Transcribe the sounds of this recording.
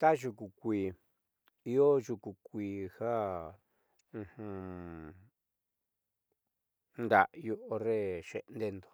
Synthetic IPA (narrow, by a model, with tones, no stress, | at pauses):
t̪a˦ʒu˧ku˨kʷiː˧ | i˧o˦ʒu˧ku˧kʷiː˧ha˦ | ũ˧hũ˧ | nd̪a˨ʔju˧ʔo˧re˦ʃḛ˧ʔnd̪e˦˧nd̪o̥˨